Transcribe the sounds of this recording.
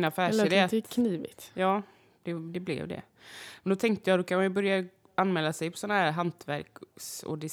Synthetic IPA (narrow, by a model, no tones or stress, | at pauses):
nafæːld̪et̪kʰniːvɪ̰t̪jɑː | d̪̥ɛd̪ɛblɛ̰vd̪ɛ̰ | mɛnd̪ɔt̪ʰɛŋk̚t̪əjɑd̪ɔkʰanmanjɵbœɾja | anmɛːlːasɛjpʰɔ̥sɔnːaɦæːɾɦant̪væɾksɔ̰d̪ɪs